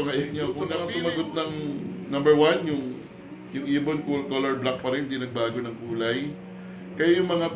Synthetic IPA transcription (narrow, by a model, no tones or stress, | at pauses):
oŋɐjɐɲokʊnɐŋasʊmɐɡot̪̚nɐŋnɐmbɛɹwanjʊŋ | jʊŋʔiːbonkulkolɛɹblak̚pɐɾɛnɪd̪inɐɡ̚baːɡo̞nɐŋkuːlɐj | kɐjajʊŋmɐŋa